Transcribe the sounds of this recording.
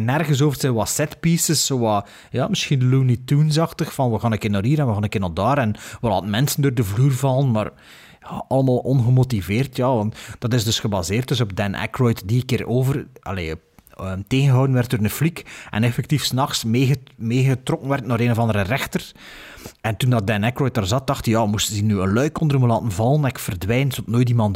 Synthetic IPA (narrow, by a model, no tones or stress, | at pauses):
nɛrɣəns̬oːvərtəʋɑsɛtpisəsowɑː | jɑːmɪsxindəluːnitunzɑxtəxfɑnʋəɣaːnəkɪnaːɾiːɾɛnʋəaːnəkɪnɑlˠdaːɾɛnʋəla̰ːtən̩mɛnsəndoːrdəvluːrvɑlənma̰ːr | jaɑlˠəmaːlˠɔnɣəmotiveːrtjaːʋɑntd̥ɑtɪzdɵsxəbazeːrt̚dɵsɔbdɛnʔɛ̰krɔjtdikɪːɾoːvərɑ̰lḛː | əteːɣənɣəɦɔwdənʋɛrt̚doːrəflikʔɛ̰nɛfɛk̚tifsnɑxsmeːɣəmeːɣətrɔkənʋɛrtnaːɾeːnɔvɑndəɾərɛxtər | ɛntundɑt̚dɛnɛkrɔjt̚daːrzɑt̚d̥ɑxtijaːəmustənzinyənlœɥkɔndərməlaːtənvɑlˠənɪkfərdwɛjnzɔtnoːjtimɑnt